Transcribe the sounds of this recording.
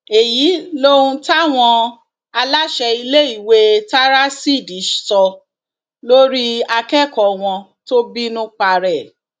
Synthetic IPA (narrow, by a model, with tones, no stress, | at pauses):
e˨ji˨˦lo˦ũ˧ta˦˨w̃ɔ̃˧ | a˧la˦ʃɛ˧i˧le˦i˦˨we˦ta˦ɾa˦si˦˨di˨˦ʃsɔ˧ | lo˦ɾi˦a˧kɛ˦˨kɔ˨w̃ɔ̃˧to˦bi˦nũ˦k͡pa˧ɾɛ˦˨